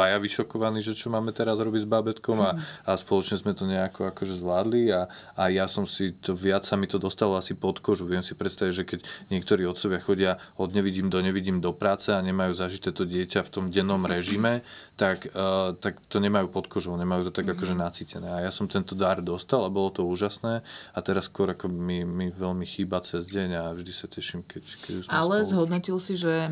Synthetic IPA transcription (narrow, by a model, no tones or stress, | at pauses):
ajaʋiʃɔkɔʋaniːʒɛt͡ʃɔmaːmɛt̪ɛɾazɾɔbiɟzbabɛt̪kɔmaaspɔlɔt͡ʃɲɛzmɛt̪ɔɲɛakʰɔakɔʒɛzʋlaːd̪liaajasɔmsit̪ɔʋɪat͡ssamit̪ɔd̪ɔst̪alɔasipɔt̪kɔʒuʋɪɛmsi̥pɾɛt̪st̪aʋiɟʒɛkɛɟɲɪɛk̚t̪ɔɾiːɔt̪sɔʋɪaxɔɟɪaɔd̪ɲɛʋiɟiːmd̪ɔɲɛʋiɟiːmd̪ɔpɾaːt͡sɛaɲɛmajuːzaʒit̪ɛːt̪ɔɟɪɛcaft̪ɔmɟɛnːɔmɾɛʒimɛt̪akːt̪akt̪ɔɲɛmajuːpɔt̪kɔʒɔʊɲɛmajuːt̪ɔt̪aɡakɔʒɛnat͡siːcɛnɛːajasɔmt̪ɛnt̪ɔd̪aɾd̪ɔst̪alabɔlɔt̪ɔuːʒasnɛːat̪ɛɾaskwɔɾakɔmimiʋɛlmixiːbat͡sɛzɟɛɲavʒd̪isacɛʃimkɛckɛusmalɛzɦɔd̪nɔcilsiʒɛ